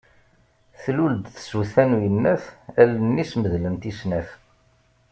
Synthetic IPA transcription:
θluld̪θə̥suθænujənːæθælənːisməðlənt̪isnæf

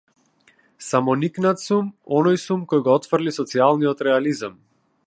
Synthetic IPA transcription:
samɔniknat̪sumɔnɔjsumkɔjɡɔɔt̪fr̩lisɔt̪sialˠniɔt̪ɾɛalizam

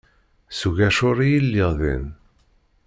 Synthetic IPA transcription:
suʝæʃʊɾijilːɪʁðḭn

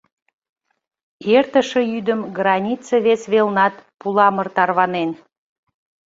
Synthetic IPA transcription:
ert̪əʃəjyd̪əmɡrɑnʲit͡səβesβelnɑt̪pulɑmərt̪ɑrβɑnen

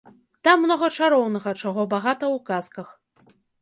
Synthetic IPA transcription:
t̪amːnɔɣɐt͡ʂaɾɔwnɐɣɐt͡ʂaɣɔbaɣat̪ɐwkaskɐx

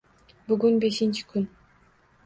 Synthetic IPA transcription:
byɡynbe̞ʃint͡ʃʰi̥kʰyn

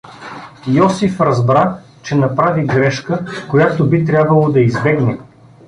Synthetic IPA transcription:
jɔsifɾɐzbɾa | t͡ʃɛnɐpɾaviɡɾɛʃkəkojat̪obit̪ɾʲabvɐlˠod̪ɐizbɛɡnɛ

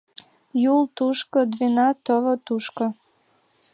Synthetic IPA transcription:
jult̪uʃkod̪βenɑt̪əvot̪uʃko

